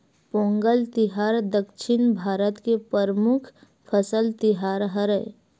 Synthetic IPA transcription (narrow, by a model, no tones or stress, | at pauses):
põːŋɡəlt̪ɪɦaːɾd̪əkʃɪnbʱaːɾət̪kepəɾmʊkʰ | pʰəsəlt̪ɪɦaːɾɦəɾə